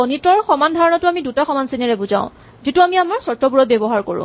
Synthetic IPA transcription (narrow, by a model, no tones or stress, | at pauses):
onitɔɹxɔmandʱaɹɔnɔtʊamidutaxɔmansinɛɹɛbuzã̰ʊ̃ | zituamiamɔɹsɔtɹɔpuɹɔt̚bebɔɦaɹko̰ɹʊ̰̃